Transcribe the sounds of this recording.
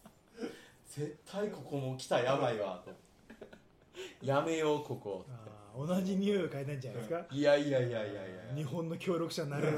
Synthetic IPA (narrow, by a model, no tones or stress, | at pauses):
z̥e̞t̪ʰːaiko̞komokʲi̥t̪ajabaiβat̪o | jame̞joko̞ko̰taeonaʑiɲʲɯːokait̪aĩɲd͡ʑanaesɨ̥kaijaiaiaiaija̰ɲ̟iɦõnːo̞kʲʰo̞ːɾʲo̞kɯ̟ɕanaɾɯ